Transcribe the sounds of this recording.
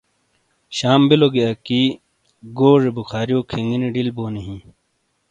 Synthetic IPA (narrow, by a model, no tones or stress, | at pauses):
ɕaːmbiloɡijaːki | ɡoːʐebuxʰaːɾijoːkʰiŋɡiniɖilboːniɦĩ